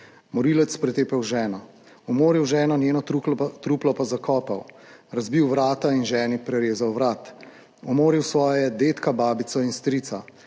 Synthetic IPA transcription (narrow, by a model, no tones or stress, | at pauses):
mɔɾiːlɛt̪spɾɛt̪eːpɛwʒɛːnɔ | ɔmoːɾiwʒɛːnɔnjeːnɔt̪ɾuplɔpazakɔːpaw | ɾazbiwʋɾaːt̪ainʒɛːnipɾɛɾeːzawʋɾaːt̪ | ɔmoːɾiwsʋɔːjjɛd̪eːt̪kabaːbit̪sɔinst̪ɾiːt̪sa